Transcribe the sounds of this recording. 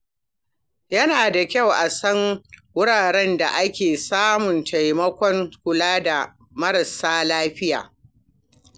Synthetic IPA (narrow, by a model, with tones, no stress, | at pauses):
jɐ˦naː˨da˨kʲɐ˦˨wʔa˨sɐ˦ŋwʊ˦ɽaː˨ɽɛ˦nda̰˨ʔa˦kʲeː˨saː˦mʊ˨ntʰa˨jmɐ˦kʷɔ˦ŋkʷʊ˨laː˦da˨ | mɐ˦ɾɐ˨saː˦laː˦ɸɪ˦ja̰ː˨